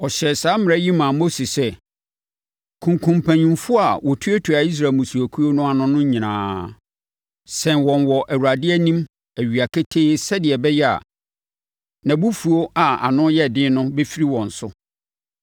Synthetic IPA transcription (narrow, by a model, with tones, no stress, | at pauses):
ɔ˨ɕɛ˨saː˦mɪ̃˨ɛ˦ji˦mã˨mo˦si˨sɛ˦ | kʰũ˨ŋkʰũ˨mpʰæ̃˨ɲĩ˨mfʊ˦a˨wɔ˨tʰu˦æ˦tʰu˨a˨i˦s̬ɾa˨mũ˨su˨æ˨kʰu˦o˦nʊ̃˦a˨nʊ̃˦nʊ̃˦ɲĩ˨nã̰ː˨˦ | sɛ̃˨nwɔ̃˨nwɔ˨ʔæ˨wu˨ɾa˨dɪ˦ɛ˦nĩ˦m | æ˨ɥi˨a˨kʰɪ˦tʰe˦sɛ˦dɪ˨ɛ˨bɛ˦jɛ˦a̰˨ | nã˨bu˦fu˨o˦a˨a̰˨nʊ̃˦jɛ˦˨dɪ̃˦nʊ̃˦be˦fi˦ɾi˦wɔ̃˨n̩˨sʊ˦